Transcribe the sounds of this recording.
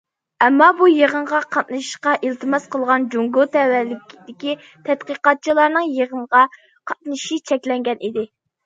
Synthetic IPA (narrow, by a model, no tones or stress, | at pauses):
ɛmːɑbujəʁəɴʁɑqʰɑt̪̚nɨʃʃqɑʔilt̪ʰɨmɑsqəlˠʁɑnd͡ʒuŋɡot̪ʰɛwælɪd̪ɪkʲi | t̪ʰɛt̪qəqɑt̪̚t͡ʃʰilˠɑɾnɨŋjeʁəɴʁɑ | qʰɑt̪̚nɨʃit͡ʃʰɛkʲlɛŋɡʲɛnʔid̪ɪ